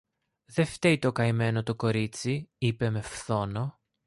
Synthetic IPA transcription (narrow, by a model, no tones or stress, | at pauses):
ðe̞ft̪eit̪o̞kɐjme̞no̞t̪o̞ko̞ɾit͡siipe̞me̞fθo̞no̞